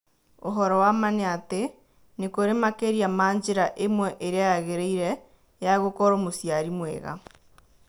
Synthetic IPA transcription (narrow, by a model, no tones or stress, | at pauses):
o̰ɦɔɾɔwamaneate | nekoɾemakeɾiamaːɲd͡ʑeɾaʔemwɛʔeɾeajaɣeɾeiɾɛ | jaɣokɔɾomosjaɾimwḛɣa̰